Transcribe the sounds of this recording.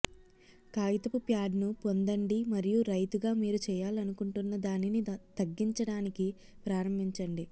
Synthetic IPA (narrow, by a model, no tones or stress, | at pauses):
kaːjit̪ɐpupjaːɖnupond̪ɐɳɖimɐɾijuɾɐjt̪uɡaːmiːɾut͡ʃɛːjaːlɐnukuɳʈunːɐd̪aːninit̪ɐɡːiɲt͡ʃɐɽaːniki | pɾaːɾɐmbʱiɲt͡ʃɐɳɖi